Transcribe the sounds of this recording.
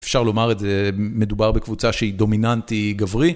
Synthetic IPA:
efʃaʁlo̞maʁetzeme̞d̪ubaʁbekvut͡saʃeid̪o̞minantiɡavʁi

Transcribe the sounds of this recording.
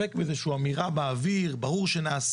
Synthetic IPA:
ekbezeʃuamiʁabaːviʁbaʁuʁʃenaːs

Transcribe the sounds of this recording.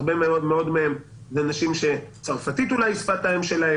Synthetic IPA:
ʁbemeo̞d̪me̞o̞d̪meem | zenaʃimʃe̞t͡saʁfat̪it̪ulajispat̪aemʃe̞lae

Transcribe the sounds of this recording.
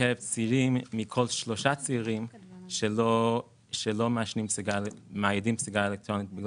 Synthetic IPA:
ɛvt͡siɾimːikʰolʃloʃat͡siːʁimʃo | ʃɛlomaʃnimpsuɡamajidimpsuɡaelɛk̚tʁonit̪̚bɪɡ

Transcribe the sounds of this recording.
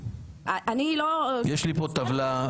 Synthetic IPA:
aʔanilojeʃlipot̪avla

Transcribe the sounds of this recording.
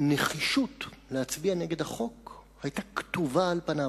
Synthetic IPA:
neχiʃutleat͡sbiane̞ɡe̞dhaχo̞khajtaktuvaːlpana

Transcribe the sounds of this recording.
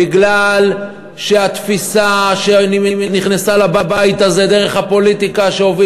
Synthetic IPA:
iɡlal | ʃe̞at̪fisaʃeniiniχnasalababajit̪aze̞d̪e̞ʁe̞χhapo̞lit̪ikaʃeovi

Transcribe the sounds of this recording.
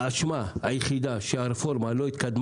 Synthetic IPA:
aʃmaajχid̪aʃeaɾefoɾmaloit̪kad̪m

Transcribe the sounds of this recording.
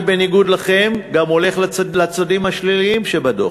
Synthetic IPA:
beniɡud̪laχe̞mɡamo̞le̞χlalat͡sadimhaʃliliimʃebad̪o̰

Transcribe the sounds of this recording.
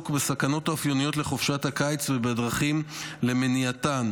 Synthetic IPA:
kbesakano̞taofjo̞nijo̞tle̞χofʃathakajt͡svebedʁaχimle̞meniatan

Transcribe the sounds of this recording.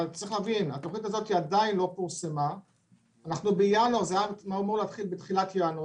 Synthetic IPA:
alt͡saʁiχlæːvina̰t̪o̞χnit̪azo̞t̪iadainlo̞piʁsemaː | naχnubejanozejanmaumeleat̪χilbetχilatjano

